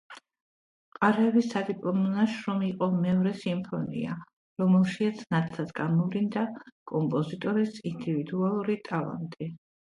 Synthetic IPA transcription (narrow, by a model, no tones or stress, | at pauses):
qʼaɾɛːbisad̪ipʼlˠɔmɔnaʃɾɔmiqʼɔmɛɔɾɛsimpʰɔnḭa | ɾɔmɛlˠʃiat̪sʰnat̪ʼʰad̪ɡamɔvɾind̪akʼɔmpʼɔzit̪ʼɔɾisind̪ivid̪ualˠuɾit̪ʼalˠa̰nt̪ʼi